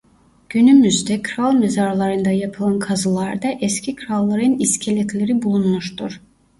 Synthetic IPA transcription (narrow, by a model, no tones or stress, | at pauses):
ɟ̥ynymyzd̪ɛkʰɾalˠmezaɾlˠaɾɯnd̪ajapʰɯlˠankʰazɯlˠaɾd̪aʔɛscʲʰikʰɾalˠːaɾɯniscʰelʲɛt̪ʰlʲeɾibulˠunmuʃt̪uɾ̥